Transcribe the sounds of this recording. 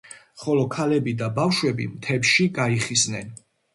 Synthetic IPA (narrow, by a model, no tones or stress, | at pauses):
χɔlɔkʰalɛbid̪abafʃwɛbḭmt̪ʰɛpʃiɡaiχisnɛn